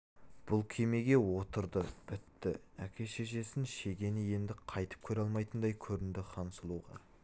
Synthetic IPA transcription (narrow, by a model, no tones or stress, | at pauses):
b̥ʊlˠkʲʰe̞me̞ɡʲe̞wo̞t̪əɾd̪əb̥ɪt̪ːɪækʲʰe̞ʃe̞ʃe̞sɪnʃe̞ɡʲe̞nɪje̞nd̪ɪqʰɑjt̪ə̥p̚kʲʰɵɾɑlˠmɑjt̪ənd̪ɑjkʲʰɵɾɪnd̪ɪqʰɑnəsəlˠuʁɑ̰